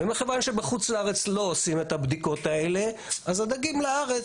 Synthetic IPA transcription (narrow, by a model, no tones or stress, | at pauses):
vemeχevanʃe̞beχut͡slaaʁe̞t͡slo̞osimet̪abd̪iko̞t̪ae̞le̞azad̪aɡimlaaʁe